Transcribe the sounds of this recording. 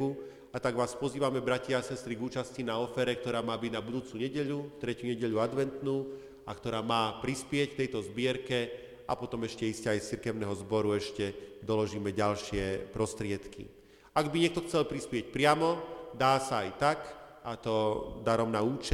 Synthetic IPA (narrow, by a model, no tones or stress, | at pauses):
u | at̪aɡʋaːspɔziːʋamɛbɾacaasɛst̪ɾiɡuːt͡ʃascinaɔfɛɾɛk̚t̪ɔɾaːmaːbiɟnabud̪uːt͡suɲɛɟɛʎut̪ɾɛcjuɲɛɟɛʎuad̪ʋɛnt̪nuː | akt̪ɔɾaːmaːpɾispɪɛc̚kt̪ɛjt̪ɔzbɪɛɾkɛ | ʔapɔt̪ɔmɛʃcɛiscɛajst͡siɾkɛʊnɛɦɔzbɔɾuɛʃcɛd̪ɔlɔʒiːmɛɟalʃɪɛpɾɔst̪ɾɪɛt̪kḭ | aɡbiɲɛkt̪ɔxt͡sɛlpɾispɪɛc̚pɾɪamɔd̪aːsaajt̪akat̪ɔd̪aɾɔmnauːt͡ʃɛ